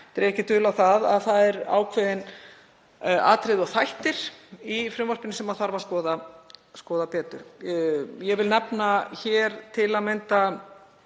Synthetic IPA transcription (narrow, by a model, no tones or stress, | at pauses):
ɛt̪ɛɾɛhcɪt̪ʰʏːlawθaða̰ðθaðɛɾa̰ːwkʰvɛðɪn | a̰ːt̪ɾɪðɔɣθajht̪ɪɾ̥ifɾʏmvaɾ̥pɪnɪsɛmaðθaɾvaskɔːðaskɔːðapɛːt̪ʏɾ̥ | jɛvɪlnɛpnaçɛːɾt̪ʰɪlaðmɛjnt̪a